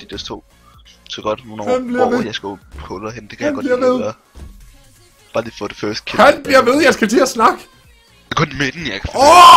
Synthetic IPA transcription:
d̥id̥est͡sʰo̝̰̥ː | sʰeɡ̥ɒd̥no̝ːnɒ̰hænb̥liɐʋejɑ̈ɪsɡ̥ohʰɔlhend̥e̝kʰæjænɡɒbliɐʋeð̞ˠɐ | b̥ɑ̈ːliːfɔ̽ːd̥efɶɐsd̥kʰehænb̥liɐʋe̝ð̞ˠjɑ̈ɪsɡ̥æt͡sʰe̝æsnɑ̈ɡ̥ə̥ | kʰɔ̽nmed̥n̩jɑɪkʰɒ

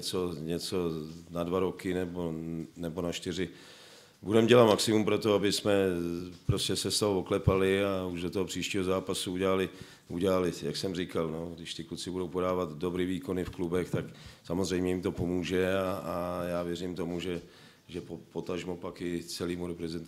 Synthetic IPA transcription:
t͡soɲɛt͡so̞nadvaɾokɪnɛbonɛbonaʃt̪ɪrɪ | budɛmɟɛlat̪maksɪmumpɾo̞t̪oabɪsmɛpɾoscɛsɛst̪oɦooklɛpalɪauʒdot̪oɦopr̝̥iːʃciːɦozaːpasuuɟɛlalɪ | ʔṵɟɛlalɪjaksɛmrɪkalno̞ɡdɪʃt̪ɪklut͡sɪbudo̞wpo̞daːvat̪dobɾiviːkonɪfklubɛxt̪aksamozrɛjmɲɛjimt̪o̞po̞muːʒɛaajaːvjɛrɪmt̪o̞muʒɛ | ʒɛpopo̞t̪aʒmopakɪt͡sɛliːmuɾopɾɛzɛnt̪

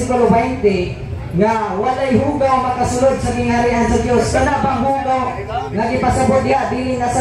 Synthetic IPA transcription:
ɪkʊlobɛjnt̪ɪ | ŋawalajɦuɡawŋmɐkasʊlʊd̪̚saɡɪŋhaɾɪʔansad̪joskanaʔbaŋɦuɡa | ŋaɡɪpasabʊt̪̚d̪ɪad̪ilɪnːasa

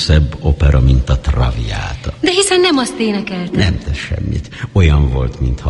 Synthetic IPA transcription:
sɛbːo̞pɛɾɒmint̪ɒt̪rɒvija̰ːt̪d̪ɛɦisɛnːɛmɒst̪eːnɛkɛlt̪nɛmt̪ɛʃɛ̰mːḭt̪o̞jɒɱvo̞lt̪mint̪hɒ

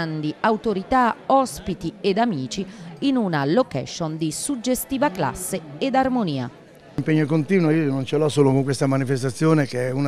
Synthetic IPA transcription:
and̪iawt̪oɾit̪aɔspit̪ied̪amiːt͡ʃiːnunalokɛ̰ʃːond̪isud͡ʒːest̪iːvakla̰sːeed̪armoniːa̰ | mpeɲːokont̪iːnwoiːonont͡ʃelɔsoːlokoŋkwest̪amanifest̪at̪sːjoːnekeɛun

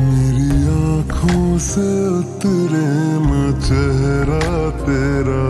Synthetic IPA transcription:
meːɾiaːkʰõseʊt̪ɨɾemət͡ʃɛɦɾat̪eɾa

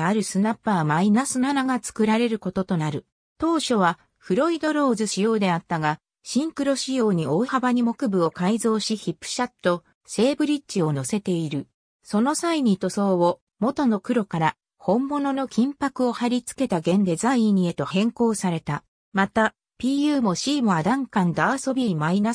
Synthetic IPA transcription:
aɾɯ̟sɨnapːaːmainasɨnanaɡat͡sɨ̥kɯ̟ɾaɾe̞ɾɯ̟ko̞t̪o̞t̪o̞naɾɯ̟ | t̪o̞ːɕo̞β̞a | ɸɯ̟ɾo̞id̪o̞ɾo̞ːzɨɕijo̞ːd̪e̞at̪ːaɡa | ɕĩŋkɯ̟ɾo̞ɕijo̞ːɲ̟io̞ːhabaɲ̟imo̞kɯ̟bɯ̟o̞kaizo̞ːɕiçipːɯ̥ɕat̪ːo̞ | se̞ːbɯ̟ɾʲitt͡ɕːio̞no̞se̞t̪e̞iɾɯ̟ | so̞nosaiɲ̟it̪o̞so̞ːβo | mo̞t̪o̞no̞kɯ̟ɾo̞kaɾa | hõ̞mːo̞no̞no̞kʲʰĩmpakɯ̟o̞haɾʲit͡sɨ̥ke̞t̪aɡẽ̞nd̪e̞zaĩɲ̟ie̞t̪o̞hẽ̞ŋko̞ːsaɾe̞t̪a | mat̪a | pʲiːjɯ̟ːmo̞ɕiːmɯ̟ad̪ãŋkãnd̪oaso̞bʲiimaina

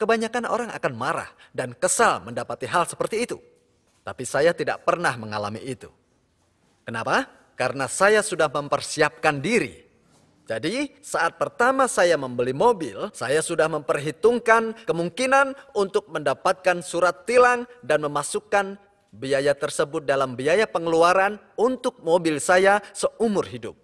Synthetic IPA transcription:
kəbaɲakano̰ɾaŋa̰kanmaɾa̰hdankəsalməndapat̪iɦalsə̥pərt̪iːt̪u | t̪apisajat̪ida̰ʔpərnahməŋala̰mḭʔːt̪ṵ | kənapa | kaɾənasajasudahməmpərsiap̚kandiɾḭ | d͡ʒadi | saʔat̪̚pərt̪amasajaməmbəlimobɪ̰lsajasudahməmpərɦit̪ʊŋkankəmuŋkinanunt̪ʊk̚məndapat̪̚kansuɾat̪ːilaŋdanməmasukan | biajat̪ərsəbʊt̪̚dalambiajapəŋəluaɾan | unt̪ʊk̚mobɪlsajasəʔumʊrɦidʊ̰p̚

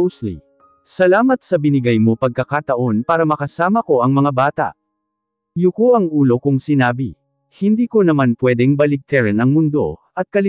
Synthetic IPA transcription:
slḭ | sɐlaːmɐt̪̚sɐbɪnɪɡajmo̞pɐɡ̚kɐkat̪ɐʔo̞npaːɾɐmɐkɐsaːmɐko̞ʔɐŋmɐŋabaːt̪ɐ̰ʔ | jʊkoʔɐŋʔuːlo̞kʊŋsɪnaːbḭ | hɪnd̪iːko̞nɐmanpwɛd̪ɛŋbɐlɪɡ̚t̪ɛɾɛnɐŋmʊnd̪o̞̰ʔɐt̪̚kɐlɪ

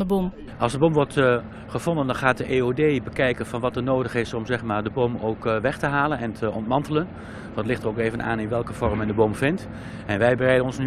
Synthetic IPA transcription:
əbom | ʔɑlˠzdəbɔmʋɔɹt | χəv̥ɔndəndɑnχaːt̚dəʔeoːdejbəkɛjkənvɑnʋɑtənoːdəχɪsɔmzɛχmaːɹdəbomowkʋɛχtəɦaːlənɛntʰəɔ̰ntmɑntələn | ʋntlɪχtəroʊkeːvəna̰ːnɪnʋɛlˠkəv̥ɔrmɛndəbomvɪnt | ɛnʋɛjbərɛjdənɔnsny

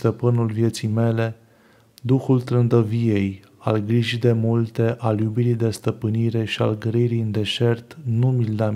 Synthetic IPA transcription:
t̪əpɨnulvje̞t̪sijme̞le̞ | d̪uxult̪ɾɨnd̪əvije̞j | a̰lɡɾiʒid̪e̞mult̪e̞ʔaljubiɾijd̪e̞st̪əpɨniɾe̞ʃia̰lɡɾiɾijɨnd̪e̞ʃe̞rt̪numild̪a

